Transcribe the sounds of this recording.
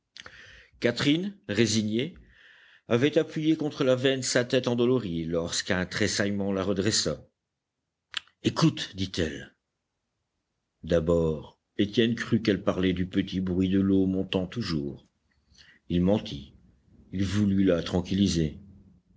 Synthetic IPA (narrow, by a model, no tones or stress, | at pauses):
kat̪χinʁeziɲje | avɛt̪apɥijekɔ̃t̪χəlavɛnsat̪ɛt̪ɑ̃d̪ɔlɔʁilɔʁskɛ̃t̪χesajmɑ̃laʁəd̪ʁɛsa | ekut̪d̪it̪ɛl | d̪abɔːʁ | et̪jɛnkχykɛlpaʁlɛd̪ypət̪ibʁɥid̪əlomɔ̃t̪ɑ̃t̪uʒuːʁ | ilmɑ̃t̪ʰi | ilvulylat̪χɑ̃kʲilize